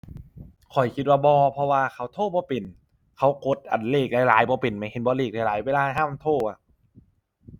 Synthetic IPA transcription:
kʰɔ˨˩jkʰi˧t̪̚waː˧bɔː˧pʰɔ˧waː˧kʰa˧˩wt̪ʰoː˥˩bɔː˧˦pe˨˩n | kʰa˧˥wko˨˦˥t̪̚ʔa̰˨˩nleː˧˩k̚laː˨˧˥jlaː˨˦jbɔː˧˦pe˨˩nma˧˩jhe˧˦nbɔː˧˦leː˧˩k̚laː˧˩laː˨˦jweː˧˥˧laː˧ɦaː˧˥˨mt̪ʰoː˧˩ʔa˧˩

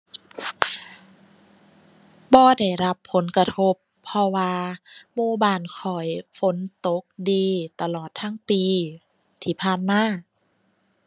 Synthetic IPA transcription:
bɔː˧da˧˨˩jɾa˦˥pʰːo˨˦nkɾa˧t̪ʰo˧˦˥pʰːɔ˧waː˧muː˧baː˧˩nkʰɔ˨˩jfo˨˦nt̪o˧˦k̚diː˧t̪a˧lɔː˨˩t̪ʰːa˧˥˨ŋpiː˧ | t̪ʰiː˧˩pʰaː˧˩nmaː˧˥˩

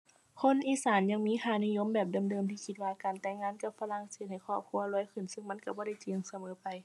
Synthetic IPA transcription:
kʰo˧˥˨nʔiː˧˨saː˨˦nɲa˧ŋmiː˧˥˨kʰaː˧˩ni˧˨jo˧˥˨mbɛː˨˩p̚da˨mdɤː˧˨mt̪ʰiː˧˩kʰi˧t̪̚waː˧kaː˨˩nt̪ɛː˧˩ŋːaː˧˥˨nka˧˩p̚fa˧la˧˨ŋseː˧˦t̪̚ha˨˩jkʰɔː˧˩p̚kʰu˧˥ɐlɔː˧˦˨jkʰɯ˧˩nsɯ˧˨ŋma˧˥˨nka˧˩bɔː˧˦da˧˩jt͡ɕi˨˧˨ŋsa˧mɤː˨˦pa˨j

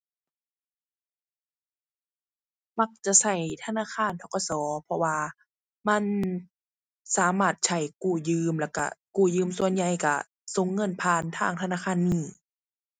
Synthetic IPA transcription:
ma˧k̚t͡ɕa˧˨sa˧˩jt̪ʰa˧naː˧˥˨xʰaː˧˨nt̪ʰɔ˧˩ka˧˨sɔː˨˦pʰɔ˧waː˧ | ma˧˥˨n | saː˨˦maː˧˩t̪̚t͡ɕʰa˧˩jkuː˧˩jɯː˧˨mlɛ˧˩wka̰˧˩kuː˧˩jɯː˧˥˨msu˧˨ənɲa˧˩jka˧˩ | so˧˦ŋːɤ˧˥˨npʰaː˧˨nt̪ʰa̰ː˧˥˨ŋt̪ʰa˧naː˧˥˨xʰaː˧˥˨nːiː˧˩

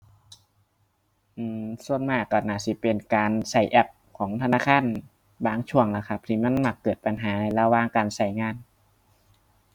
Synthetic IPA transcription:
ʔɯː˧˩msu˧ənmaː˧˩kɔ˧˩naː˧˩si˧˦pe˨nkaː˨nsa˧˩jʔɛ˧˩p̚ | kʰɔː˩˦ŋt̪ʰa˧naː˧˥˨kʰaː˧˥˨n | baː˨˧˩ŋt͡ɕʰu˧˩əŋla˧˩kʰa˧p̚t̪ʰi˧˩ma˧˥˨nma˧˩kːɤː˨˩t̪̚pa˨nɦaː˩˦na˧˩jla˧waː˧˨ŋkaː˨nsa˧˩jŋaː˧˥˨n

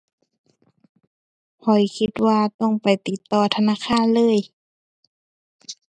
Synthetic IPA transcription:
hʰɔ˨˩jkʰi˧t̪̚waː˧t̪ɔ˧˩˨ŋpa˨˩jt̪i˧˦t̪ːɔː˧˩t̪ʰa˧naː˧˥˨xʰaː˧˥˨nlɤː˧˥˨j

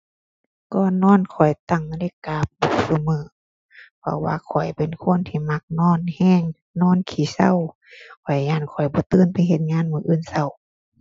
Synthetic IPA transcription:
kɔː˧˨nɔː˧˥˨nkʰɔ˨˩jt̪a˧˩˨ŋle˧˨kaː˧˦p̚bɔ˧˩sa˧mɯː˨˧˦ | pʰɔ̰˧waː˧kʰɔ˨˩jpe˨nkʰo˧˥˨nt̪ʰiː˧˩ma˧˦k̚nɔː˧˥˨nhɛː˧˨ŋ | nɔː˧˥˨nkʰiː˨˦sa̰˧˨w | kʰɔ˨˩jɲaː˧˩˨nkʰɔ˨˩jbɔː˧˦t̪ɯː˧˥˨npa˧˨jɦe˧t̪̚ɲaː˧˥˨nmɯː˧˦ʔɯː˧˥˨nsa˧˨w

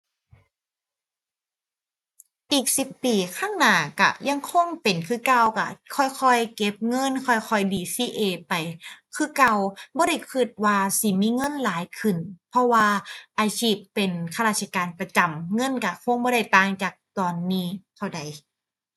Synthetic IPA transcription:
ʔiː˨˩k̚si˧˦pːiː˨˩kʰaː˧˥˨ŋnaː˨˧˩ka̰˧˩ja˧ŋkʰo˧˥˨ŋpe˨˩nkʰɯ˧˩˨ka˧˩wka̰˧˩kʰɔː˧˩jkʰɔ˧˥˩jke˦˥p̚ŋɤ˧˥˨nkʰɔ˧˩jkʰɔ˧˩jdiː˨˩siː˧˩ʔeː˧˩pa˨˩jkʰɯː˧˥˨ka˧wbɔː˧˦ɾa˧˥˩jkʰɯ˧˩t̪̚waː˧si˧˩miː˧˥˨ŋɤ˧˥˨nlaː˨˦jkʰɯ˧˩npʰɔ˧˥waː˧ʔaː˧t͡ɕʰiː˧˩pːe˨nkʰa˧laː˧t̪̚sʰa˧kaː˨npɾa˧t͡ɕa˨˩mŋɤ˧˥˨nka˧˩kʰo˧˨ŋbɔː˧ɾa˧˩jt̪aː˧˩ŋt͡ɕaː˨˩k̚t̪ɔː˨˩nːiː˧˥˩t̪ʰa˧˩wda˨˩j

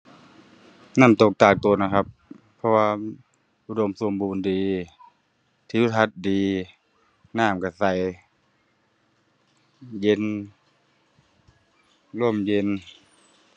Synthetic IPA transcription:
na˧˥˩mt̪o˨˩k̚t̪aː˧˩k̚t̪o˧˩˦na˧˩kʰa˧˦p̚ | pʰːɔ˧waː˧ | ʔu˧˩do˧˨msu˧˨˦əmbuː˨˦ndiː˨ | t̪ʰiː˧˨u˧˩t̪ʰa˧t̪̚diː˨ | naː˧˥˩mka˧˩sa˧˩j | je˧˥˨n | lo˧˩˨mje˧˨n

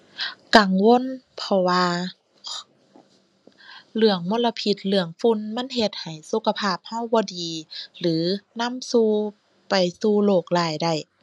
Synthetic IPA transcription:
ka˨˩ŋwo˧˥˨npʰɔ˧waː˧ | lɯ˧˩əŋmo˧˨nla˧pʰi˧˩t̪̚lɯ˧˩əŋfu˧˥˨nma˧˥˨nɦe˧t̪̚ha˨˩jsu˧˦kʰa˧pʰaː˧˩p̚ha˧˩˨wbɔː˧˦diː˨lɯː˨˦na˧˥˨msuː˧ | pa˨jsuː˧loː˧˩k̚laː˨˧˩jda˧˩j

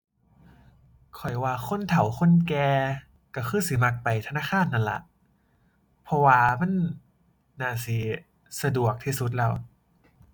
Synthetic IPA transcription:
kʰɔ˨˩jwaː˧kʰo˧˥˨nt̪ʰa˨˦wxʰo˧˥˨nkɛː˧ | ka˧˩xʰɯː˧˥˨si˨˦ma˧k̚pa˨jt̪ʰa˧naː˧˥˩kʰaː˧˥˨nʔa˧˩nla̰˧˩˦ʔ | pʰɔ˧waː˧ma˧˥˨nː | aː˧˩si˨˦ | sa˧du˨˩ək̚t̪ʰiː˧˩su˧˦t̪̚lɛː˧˩w

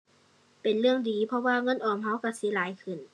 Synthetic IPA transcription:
pe˨nlɯ˧˩əŋdiː˨˩pʰɔ˧waː˧˨ŋɤ˧˥˨nʔɔː˨˩mɦa˧˥˩wka˧˩si˨˦laː˨˦jkʰɯ˧˩n

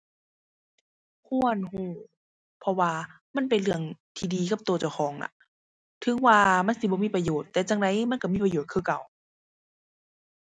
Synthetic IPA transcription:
kʰu˧˥˨ənhuː˧˩ | pʰɔ˧waː˧ | ma˧˥˨npe˨nlɯ˧˩əŋt̪ʰiː˧˩diː˨ka˧˦p̚t̪oː˧˩t͡ɕa˧˩wxʰɔː˨˦ŋla̰˧˦ | t̪ʰɯ˧˦ŋwaː˧ma˧˥˨nsi˧bɔː˧˦miː˧˥˨pa˧joː˨˩t̪ːɛː˧t͡ɕaː˧˩ŋda˧˦jma˧˥˨nka˧˩miː˧˥˨pa˧joː˨˩t̪̚kʰɯː˧˩ka˨˩w

